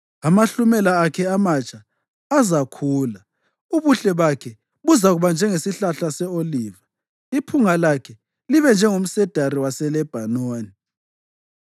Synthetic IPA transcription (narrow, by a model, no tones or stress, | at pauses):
amaɬumɛlaːkʰɛamat͡ʃʰʼaː | zakʰuːla | uβuɬɛβakʰɛ | βuzaɣuβand͡ʒʱɛŋesiɬaɬasɛoliːva | ipʰuŋalakʰɛ | liβɛnd͡ʒʱɛŋum̩sɛd̥ʱaɾiwasɛlɛb̥ʱanoːni